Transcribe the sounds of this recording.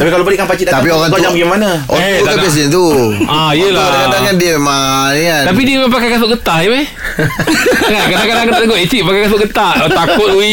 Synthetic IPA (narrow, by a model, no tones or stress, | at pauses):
t̪apikalobaliʔkanpat͡ʃit̪̚at̪apioɣaŋt̪uad͡ʒabaɡimana | o̰aukapiɛs̬ɛnt̪uʔajəlaadakadaŋandiəmaniant̪ap̬idiəmapakajkasʊʔɡət̪aʔiba | ŋakadaŋkadaŋkət̪at̪ɡoʔit͡ʃiʔpakajkas̬ʊʔɡət̪at̪akʊt̪̚ui